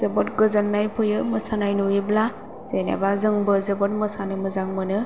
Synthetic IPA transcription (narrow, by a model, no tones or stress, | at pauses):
zɯbɔtɡɯzanːajpʰɯjɯmɯsanajnuibla | z̥enḛbazɯŋbɯzɯbɔt̚mɯsanɯmɯzaŋmɯnɯ